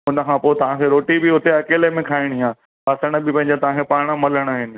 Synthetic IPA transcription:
ʊnəkʰãpoːt̪ɐʋ̤ãːkʰeɾoːʈibɪʊt̪eɐkeːlemẽkʰaːɪɽ̃iãː | ɐsəɽ̃əbɪpɐ̃ɦɪ̃ɲd͡ʑat̪ɐʋãkʰepaːɽ̃ə̆mɐləɽ̃aːɦɪnɪ̆

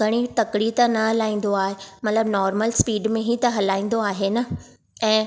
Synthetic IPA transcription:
ɡʱɐɽ̃it̪ɐkɽit̪ɐnɐɦɐlaːĩːnd̪oaːɦemɐt̪ləbnɔːɾməlspiːɖmẽɦit̪ɐɦɐlaːĩːnd̪oaːɦenɐ | ɛ̃ː

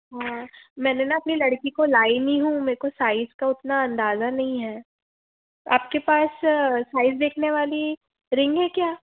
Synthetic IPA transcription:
ɦãːmɛːnenaɐpnilɐɽkikolaːɪniɦũmeːkosaːɪzkaʊt̪naɐ̃nd̪aːzanɐɦĩɦɛː | a̰ːp̚kepaːssaːɪzd̪eːkʰneʋaːli | ɾɪ̃ŋɡɦɛkjaː

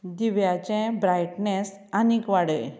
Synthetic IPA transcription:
d̪iʋjat͡ɕɛ̃bɾajʈnɛs | anikʋaɽḛ

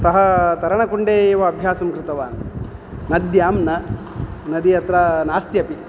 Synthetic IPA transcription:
sɐɦɐt̪ɐɾɐɳɐkuɳɖeːʋɐːbʱjaːsɐmkɾɪt̪ɐʋaːn | nɐd̪jaːmnɐ | nɐd̪iɐt̪ɾɐnaːst̪jɐpi

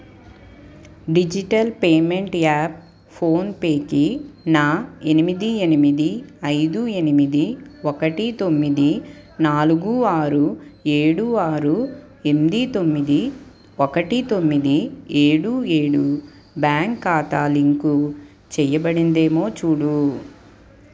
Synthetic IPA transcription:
ɖid͡ʒiʈɐlpeːme̞ɳʈaːp̚ | pʰo̞ːnpeːkinaːe̞nimid̪ienimid̪iɐjd̪ue̞nimid̪iɔkɐʈit̪o̞mːid̪i | naːluɡuaːɾue̞ːɽuaːɾu | enmid̪it̪o̞mːid̪i | ɔkɐʈit̪omːid̪ieːɽueːɽu | baːŋkːaːt̪aːliŋku | t͡ʃɛjɐbɐɽind̪e̞ːmo̞ːt͡ʃuːɽu

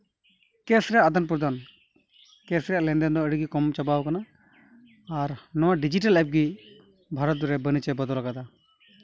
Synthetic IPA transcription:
kɛsɾɛjaʔd̪ənp̬uɾd̪an | kɛsɾɛjaʔlɛnd̪ɛnd̪ɔəɽiɡikɔmt͡ʃabawkanaː | ɾnɔwaɖid͡ʒiʈəlap̚ɡi | bʱaɾɔt̪̚ɔɾɛbənit͡ʃɛbəd̪ɔlaɡad̪a

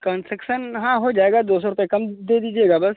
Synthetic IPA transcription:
kəːnsʈɾəkʃənɦãɦod͡ʒaːeɡad̪oːsoɾt̪ẽkɐmd̪ed̪iːd͡ʒieːɡaːbɐs

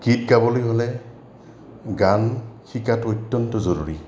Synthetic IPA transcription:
kit̚ɡabɔlojɦolɛ | ɡanxikatɔtːɔntɔzoɹuɹi

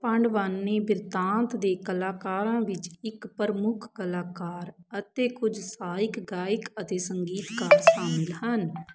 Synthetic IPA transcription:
pəɳɖʋaːnːeːbɪɾt̪ãːnt̪d̪eːkəlaːkaːɾãːʋɪt͡ʃɪkpəɾmʊkʰkəlaːkaːɾət̪eːkʊd͡ʒsaːɪkɡaːɪkət̪eːsəŋɡiːt̪kaːɾʃaːmɪlɦən

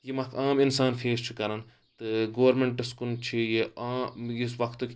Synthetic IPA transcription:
jimɐkʰaːmɪnsaːnfʰeːst͡ʃʰikɐɾɐn | t̪ɨɡoːɐɾmeɳʈɪskunt͡ʃʰijeaːjisʋɐkʰt̪ɨk

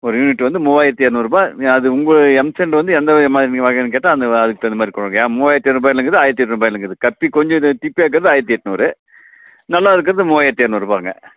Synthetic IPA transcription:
ɔɾɯjuːnɪʈːɯʋɐnd̪ɯmʊʋaːjɐt̪ːɯjeːɾnɯʋɐɾɯpaːɐðɯʊŋɡɐɭɯɛmsɛɳɖʋɐnd̪ɯɛnd̪ɐmaːðɾinʋaːɣɐnːɯk̬eːʈːãːɐnd̪ɐɐðɯkːɯɐnd̪ɐmaːd̪ɾikɔɽɐŋɡɐjaːmoːʋaːjɐt̪ːeɾɯbaːjɪlɐŋɡɐðɯaːjɐɾt̪ɯjɛʈːnɯbaːjɪlɐŋɡɐðɯkɐpːikɔɲd͡ʒɔ̃ʈ̪ipːijaːk̬ːɯɾɐðɯaːjɐɾt̪ːijɛʈːnɔɾɯ | nɐlːaːɪðɯkːɯɾɐðɯmɔʋaːjɐt̪ːjeːɾnɯʋɐɾɯpaːŋɡɐ̰

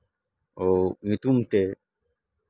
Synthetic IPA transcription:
omit̪umt̪e

